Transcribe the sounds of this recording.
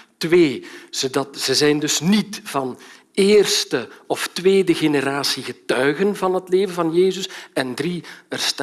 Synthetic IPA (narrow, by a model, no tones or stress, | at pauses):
tʋeːz̥odɑtz̥əzɛjndɵsnitv̥ɑn | eːrstəɔftʋeːdəɣenəɾaːsiɣətœɥɣənvɑnɦətleːvənvɑnjeːzəsɛndriərst